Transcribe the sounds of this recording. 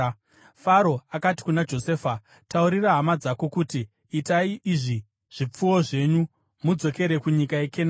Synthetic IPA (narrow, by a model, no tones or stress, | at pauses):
faɾo̞akati̥kunad͡ʒo̞se̞ːfa | tauɾiraɦamad͡zako̞kutiː | taiʔiʐi | ʐ̥ip͡fuwo̞ʐe̞ɲu | mud͡zo̞ke̞ɾe̞kuɲikaekʰena